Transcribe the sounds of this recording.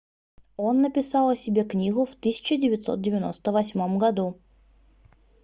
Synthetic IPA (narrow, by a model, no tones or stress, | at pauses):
o̞nːəpʲɪsɑlˠəsʲɪbʲe̞knʲiɡʊft̪ɨsʲɪ̥t͡ɕɪdʲɪvʲɪt̪so̞̰t̪̚dʲɪvʲɪno̞̰st̪əvɐsʲmomɡɐd̪u